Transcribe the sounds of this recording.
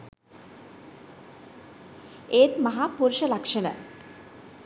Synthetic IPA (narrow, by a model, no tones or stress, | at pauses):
eːt̪maɦaːpuɾʃəlakʂənə̰